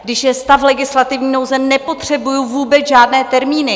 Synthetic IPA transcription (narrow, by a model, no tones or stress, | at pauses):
ɡdɪʃjɛst̪aflɛɡɪslat̪ɪvɲiːno̞wzɛnɛpo̞t̪r̝̥ɛbujuvuːbɛt͡sʒaːdnɛːt̪ɛɾmiːnɪ